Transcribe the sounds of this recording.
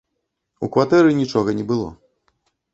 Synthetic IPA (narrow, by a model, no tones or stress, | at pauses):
ukvat̪ɛɾɨnʲit͡ʂɔɣɐnʲɛbɨlˠɔ̰